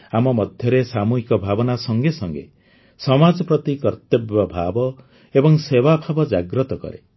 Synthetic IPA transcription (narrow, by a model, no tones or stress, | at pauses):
amɔmɔd̪ʱjɔɾesamuɦikɔbʱabɔnasɔŋɡesɔŋɡḛ | sɔmad͡ʒɔpɾɔt̪ikɔɾt̪jɔbjɔbʱabɔ | ebɔŋsewabʱabɔd͡ʒaɡɾɔt̪ɔkɔ̰ɾḛ